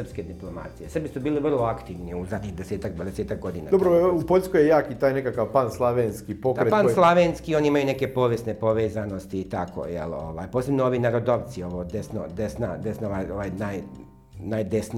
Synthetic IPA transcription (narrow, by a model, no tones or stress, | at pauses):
r̩psked̪iplˠo̞ma̰t̪sijesrbisubiːliʋrlˠoakt̪iːʋniuzad̪ɲiɣd̪eseːt̪akd̪ʋad̪eseːt̪ak̚ɡo̞d̪ina̰dobɾoupoʎʲskojejaːkit̪aːjnekakaʋpanslˠaʋenskipok̪ɾepanslˠaʋenskio̞ːniimajune̞ke̞po̞ʋje̞st̪ne̞po̞ʋeːzano̞st̪iːt̪ako̰jḛlo̞̰ʋa̰ːjpoːse̞bnoo̞ʋinaɾo̞d̪o̞ʋt̪sio̞ʋod̪esno̰d̪esnad̪e̞snoʋajoʋajnaj | najd̪esni